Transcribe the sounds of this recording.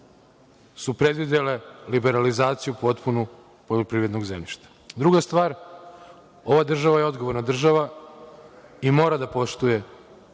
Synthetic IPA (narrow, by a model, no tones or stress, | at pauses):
supɾe̞d̪ʋid̪e̞le̞libe̞ɾalizaːt̪sijupo̞t̪punu | po̞ʎopɾiːʋɾed̪no̞ɡzḛmʎiʃt̪ḁd̪ɾuɡast̪ʋaːɾ | o̞ʋad̪r̩ʒaʋajeo̞d̪ɡo̞ʋoɾnad̪r̩ʒaʋa | imo̞ːɾad̪apo̞ʃt̪uje̞